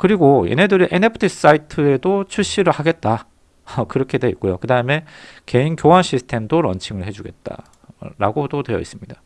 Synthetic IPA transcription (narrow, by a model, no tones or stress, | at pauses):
kɯɾiɡojḛne̞dɯɾiʔenepʰɯ̥tʰis͈aitʰɯe̞dot͡ɕʰuɭɕ͈iɾɯɭhaɡe̞t̚t͈a | kɯɾʌkʰe̞dwe̞it̚k͈ojokɯdaɯme̞ke̞inkjowanɕʰisʰɯ̥tʰe̞mdoɾʌ̰nt͡ɕʰiŋɯɭhe̞d͡ʑuɡe̞t̚t͈a̰ | ɾa̰ɡodotwe̞jʌ̰is͈ɯmɲida